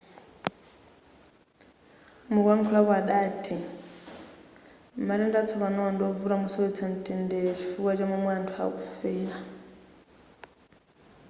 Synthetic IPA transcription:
mukwaŋkʰuakwaɗaːtʰʼi | maɾɛndat͡sʰɔβanɔɔndɔvuɾamusɔit͡sʰan̩tʼɛndet͡ʃifuwat͡ʃamamwantʰua̰kufɛːla

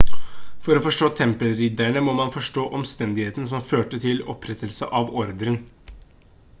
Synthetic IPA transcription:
fɔɾɔfɔʂʈoːt̪ʰɛmpəlɾid̪æɳəmɔmɑnfɔʂʈoːʔɔmst̪ɛnd̪ɪheːt̪ən̩s̬ɔmføːʈət̪ʰɪlɔ̰pʰɾɛt̪əlsə̰ʔɑʋɔɾd̪ɾən

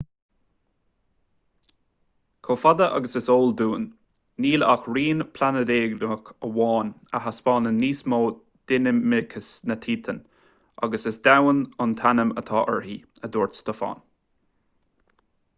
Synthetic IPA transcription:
kʰoːfad̪əʔɑ̰ɡəsɪsoːld̪uːnː | iːla̰xɹiːnpʰlanəd̪eːɡnʊkəwɑːnəɦaspɑːnənːiːsmoː | d̪̥ɪnəmmɪkʰəsnət̪ʰiːt̪ʰən | ʔa̰ɡəsɪsd̪awənʊnt̪ʰanəmə̰t̪ʰɑːʔə̰ɹɦiːəd̪oːɹt̪st̪ʊfɑ̰ːn

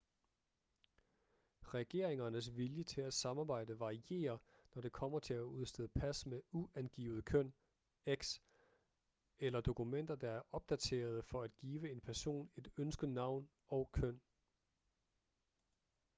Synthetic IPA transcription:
ʁɛɡ̥e̝̰ɐeŋɐnəs̬ʋiljət͡sʰe̝læ̥sɑ̈mɑb̥ɑ̈ɪ̰d̥əʋɑ̈ʁiʔe̝̰ːɐnɒd̥e̝kʰɒ̽m̰ɐt͡sʰe̝læuðˠsd̥eð̩ˠpʰæsmeuænɡ̥ḭːʊð̩ˠkʰøn̰ | eɡ̥s | elɐd̥o̝kʰumen̰d̥ɐd̥ɑ̈æɐʔɒ̽b̥̚d̥æt͡sʰe̝̰ːɐð̞̩ˠfɒ̽æd̥ɡ̥iːʋəe̝npʰæɐso̝̰ːne̝d̥ønsɡ̥ð̩ˠnɑ̈ʊ̰n | ɒ̽ʊkʰøn̰

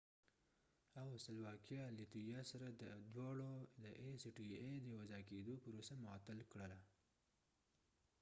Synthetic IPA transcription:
awsɪlwɑkjɑlit̪ujɑsaɾad̪əd̪wɑɽod̪əʔesiʈied̪əwazɑked̪opəɾosamɑt̪ɪlkɽəla

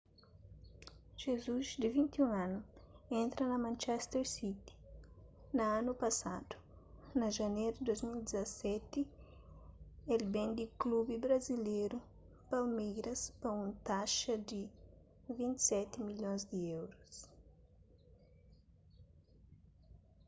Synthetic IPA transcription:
ʒ̥ezuzd̪ivĩnt̪iũŋãnuẽnt̪ɾɐnɐmãnt͡ʃɛst̪eɾsit̪i̥ | nɐanupɐsad̪̥u̥ | nɐʒɐnejɾʊd̪ojzmild̪izɐsɛt̪i | elbẽnd̪iklubibɾɐzileɾu | palmejɾɐspɐũnt̪aʃɐd̪i | vĩnt̪i̥sɛt̪imiljõzd̪iewɾus

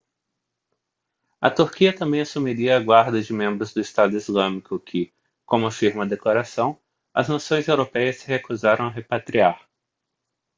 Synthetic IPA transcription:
ɐ̰t̪uɾkiɐt̪ɐ̃mbẽj̃asumiɾiɐːɡwaɾd̪ɐd͡ʒɪmẽmbɾʊzd̪ʊɪst̪ad̪ʊizlɐ̃mikʊkʰɪ | kõmʊafiɾmɐd̪eklaɾasɐ̃w̃ | ɐ̰znasõj̃zewɾopɛjɐsɪhekuzaɾɐ̃w̃ɐɦepat̪ɾiaɾ

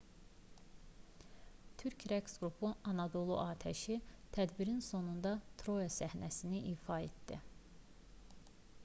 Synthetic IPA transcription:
t̪ʰyɾcʰɾeksɡɾupʰuɑnɑd̪o̞lˠṵʔɑːt̪ʰæʃit̪ʰæd̪biɾinso̞nund̪ɑt̪ʰɾo̞jɑsæhnæsiniʔiːfɑet̪d̪̥i

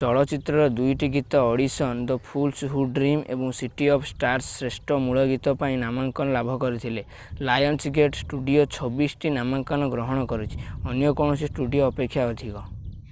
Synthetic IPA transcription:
t̪ɔɭɔt͡ʃit̪ɾɔɾɔd̪ujʈiɡit̪ɔːɽisɔnd̪ɔpʰulsɦuɖɾimḛbɔŋsiʈiɔpʰsʈaɾsːɾesʈɔmuɭɔɡit̪ɔpaĩnamaŋkɔnɔlabʱɔkɔɾit̪ʰile | lajɔnsɡeʈsʈuɖiot͡ʃʰɔbisʈinamaŋkɔnɔɡɾɔɦɔɽ̃ɔkɔɾit͡ʃʰi̥ɔnjɔkɔɳ̃ɔsisʈuɖijoːpekʰːjaɔd̪ʱikɔ

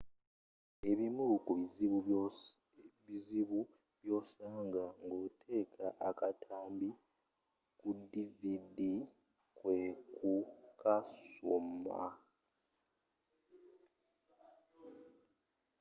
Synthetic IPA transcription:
e̞βimulukuβiziβu | βiziβu | βjo̞ːsaːŋɡaŋɡo̞ːtʰe̞ːkʰaʔakatʰaːmbi | kudividi | kwekʰukʰasoma̰

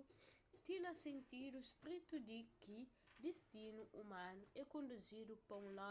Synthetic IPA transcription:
t̪inɐsẽnt̪id̪ust̪ɾit̪ud̪ikid̪ist̪inuʔumãnuɛkõnd̪uzid̪upõlɔ

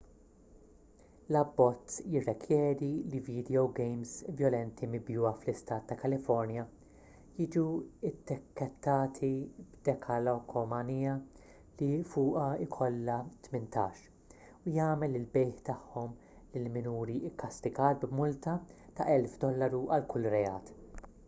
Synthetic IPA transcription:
lɐbːɔt͡sːjɪrːɛkʰjɛːɾiliviːd̪ɛɔwɡɛjmsvjɔlɛnt̪ʰimɪbjuːɐflɪst̪ɐːt̪ːɐkɐlɪfɔɾnjɐ | jiːd͡ʒuɪt̪ːɪkːɛt̪ːɐːt̪ʰibd̪̥ɛkʰɐlɔkʰɔmɐnijɐ | lifʊːʔɐɪkʰɔlːɐt̪mɪnt̪ɐːʃ | ʊjɐːmɛlːɪlbɛjħt̪ɐħːɔm | lɪlmɪnuːɾiɪkːɐst̪ɪɡɐːt̪̚bmʊlt̪ɐt̪ɐʔɛlfd̪ɔlːɐɾuʔɐlkʊlːɾɛɐːt̪

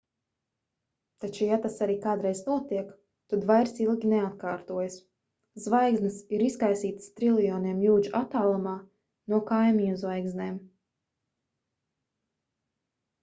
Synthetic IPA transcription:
t̪at͡ʃujat̪asaɾiːkaːd̪ɾɛjznuɔt̪iɛk | t̪ud̪vajɾsilˠɡʲinɛat̪̚kaːɾt̪uɔjs | zvajɡznɨsiɾiskajsiːt̪st̪ɾilˠijɔːniɛmjuːd͡ʒuʔat̪aːlˠumaː | nuɔkajmiɲuzvajɡzneːm

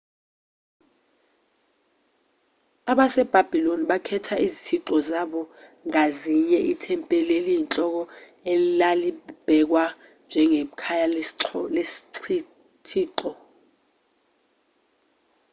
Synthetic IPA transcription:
aɓasɛb̥ʱab̥ʱiloniɓakʰɛtʰaʔizitʰiǁɔzaɓɔŋaziɲɛʔitʰɛmpʼɛlelijint͡ɬʼɔk̬ɔ | elilalib̥ʱɛk̬wa | nd͡ʒʱɛŋekʰajalesi̥ | tʰiːǃɔ

